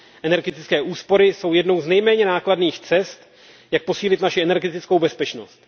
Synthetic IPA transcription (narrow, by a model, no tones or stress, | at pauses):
ʔɛnɛɾɡɛt̪ɪt͡skɛːʔuːspo̞ɾɪso̞wjɛdno̞wznɛjmɛːɲɛnaːkladniːxt͡sɛst̪ | jak̚po̞siːlɪt̪naʃɪɛnɛɾɡɛt̪ɪt͡sko̞wbɛspɛt͡ʃno̞st̪